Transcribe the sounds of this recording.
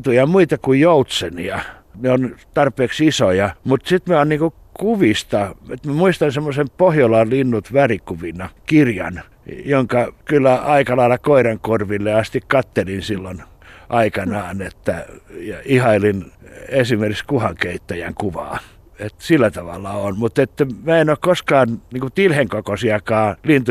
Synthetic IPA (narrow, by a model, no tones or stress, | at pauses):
t̪ujɑmuit̪ɑkujjout̪senḭɑ | neont̪ɑrpˑeːksisojɑmut̪sit̪miæonniːŋku | kuʋist̪ɑet̪mæmuist̪ɑnsemːosempohjolɑllinːut̪ʋærikuʋinɑkirjɑ̰n | joŋkɑkylːæɑikɑlɑilːˑɑkoiɾɑŋkorʋilːeɑst̪ikkɑt̪ːelinsilːon | ʔɑikɑnɑːnet̪ːæjɑihɑilinesimerikskuhɑŋkeit̪ːæjæ̰ŋkuʋɑ̰ː | et̪silːæt̪ɑʋɑ̰lːɑonmut̪et̪ːæmæenokkoskɑːnniːŋkut̪ilheŋkokosiɑkɑːlint̪u